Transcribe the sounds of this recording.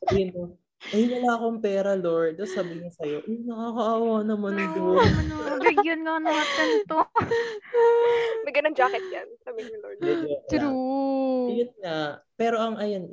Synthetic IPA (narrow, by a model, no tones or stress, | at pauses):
ɐbino | ʔɐjnɐlaɐkoŋpɛːɾɐloɹd̪osaːbɪnosɐjo̞ʔɐjnɐkaːkɐʔaːwanɐmɐnd̪oɐnobɪɡjɐnŋɐnɐŋɐt̪ɛnt̪o | mɐjɡɐnoŋd͡ʒaːkɛt̪̚jansaːbɪɲʊloɹɪd̪oɾu | jʊnŋapɛːɾo̞ʔɐŋʔɐjon